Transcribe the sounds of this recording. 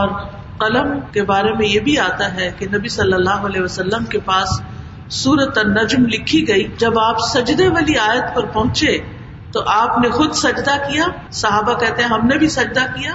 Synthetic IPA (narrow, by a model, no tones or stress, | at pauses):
ɔːɾ | qɐləmkebaːɾemẽjebʱiaːt̪aɦɛkenɐbisɐlːəlːaːɦoɐlɛɦʋɐsɐlːəmkepaːs | sːuːɾət̪anɐd͡ʒmlɪkʰːiɡɐid͡ʒɐbaːpsɐd͡ʒd̪eʋaːliaːjət̪pɐɾpɐɦʊ̃t͡ʃe | t̪oʔaːpnexʊd̪sɐd͡ʒd̪akijaː | sɐɦaːbakɛɦt̪eɦɛ̃ɦɐmnebʱisɐd͡ʒd̪akijaː